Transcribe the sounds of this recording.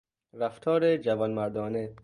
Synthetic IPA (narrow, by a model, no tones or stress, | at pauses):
ɾaft̪ʰɒːɾed͡ʒavɔnmaɾd̪ɒːne